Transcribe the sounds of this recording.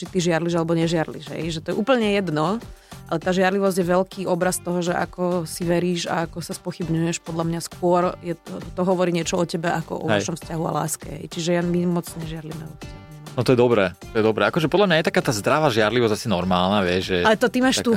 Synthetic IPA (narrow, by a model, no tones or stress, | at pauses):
t͡ʃit̪iʒɪaɾliʒalɛbɔɲɛʒɪaɾliʒɦɛ̰jʒɛt̪ɔjɛʔuːpl̩ɲɛjɛd̪nɔʔalɛt̪aːʒɪaɾliʋɔzɟjɛʋɛlkiːʔɔbɾast̪ɔɦɔʒɛʔa̰kɔsiʋɛɾiːʒa̰akɔsaspɔxibɲujɛʃpɔd̪ʎamɲaskʊɔɾjɛt̪ɔɦɔʋɔɾiːɲɪɛt͡ʃɔɔcɛbɛʔakɔ̰ʔɔ̰ʋɛʃɔmfscaɦua̰la̰ːskɛ̰ɦɛ̰jt͡ʃiʒɛjamimɔd͡zɲɛʒɪaɾlimɛɔcɛbɛ | nɔt̪ɔjɛd̪ɔbɾɛːt̪ɔjɛd̪ɔbɾɛːakɔʒɛpɔd̪lamɲajɛt̪akaːt̪aːzd̪ɾaʋaʒɪaɾliʋɔzasinɔɾma̰ːlnaʋɪɛʒʒɛalɛt̪ɔt̪imaːʃt̪u